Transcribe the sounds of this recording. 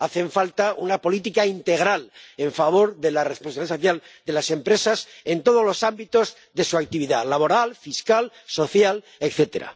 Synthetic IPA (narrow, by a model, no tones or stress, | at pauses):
aθe̞ɱfalt̪aʔunapo̞lit̪ikaint̪e̞ɣ̞ɾale̞ɱfaβ̞o̞ɾðe̞laresponsaβiasoθjald̪e̞lase̞mpɾe̞sase̞nt̪o̞ð̞o̞zlo̞sambit̪o̞z | ðe̞suak̚t̪iβ̞iðalaβo̞ɾalfiskal | so̞θjal | ekθe̞t̪e̞̰ɾa̰